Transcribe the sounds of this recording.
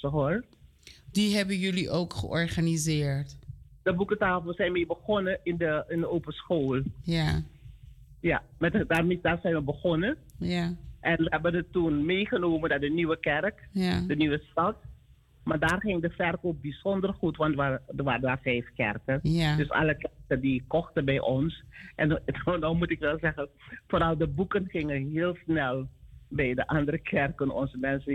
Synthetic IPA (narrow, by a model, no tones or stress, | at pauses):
ɦoːɹ | diɦɛbənjɵliʔowkχə̰ɔɹχanizɪːɹtdəbukətaːfəlˠsɛjnmeːbəχɔnəɪndəɪndəoːpənsχoːlˠja | ja̰mɛtdaːmɪdaːrzɛjnʋəbəχɔnəjʔɛnʋəɦɛbənətːunmeːχənoːməndaːdənyʋəkɛrkdənyʋəstɑt | maːdaːrχɪŋdəfɛrkok̚bizɔndərχutʋɑntdʋadəʋaːɾədaːrfɛjfkɛ̰rkədøsɑ̰ləkɛrkəndikɔxtənbɛjʔɔnsʔɛndɔmutɪkʋɛlˠzɛχənfoːɾɑlˠdəbukənχɪŋənɦɪːlˠsnɛlˠbɛjdəʔɑndəɾəkʰɛrkənɔ̰nzəmɛnsə